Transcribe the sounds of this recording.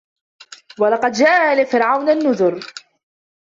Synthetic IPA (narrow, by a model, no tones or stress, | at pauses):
walɑqɑd̪d͡ʒaːʔalɪfɪɾʕawnanːʊðʊɾ